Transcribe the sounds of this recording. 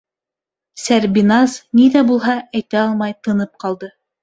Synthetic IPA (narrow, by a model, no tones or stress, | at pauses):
sæɾbinɑzniðæbulˠɦɑæjt̪æɑlˠmɑjt̪ɤ̆nɤp̚qɑlˠd̪ɤ